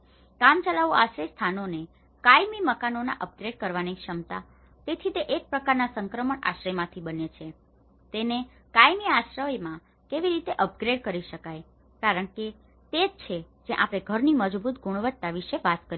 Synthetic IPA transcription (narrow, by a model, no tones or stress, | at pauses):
kamt͡ʃəlaʋuaʃɾejst̪ʰanone | kajmiməkanona̰ʔəp̚ɡɾeɖkəɾʋanikʃəmt̪a | t̪et̪ʰit̪eʔek̚pɾəkaɾnasəŋkɾəməɳa̰ʃɾəmãt̪ʰibənet͡ʃʰe | t̪ene | kajmiaʃɾəʋjmã | keʋiɾit̪eʔəp̚ɡɾeɖkəɾiʃəkaj | kaɾəɳke | t̪ed͡ʒt͡ʃʰed͡ʒẽʔapɽ̃eɡʱəɾniməd͡ʒbʱut̪ɡuɽ̃ʋət̪t̪ːaʋiʃeʋat̪kəɾ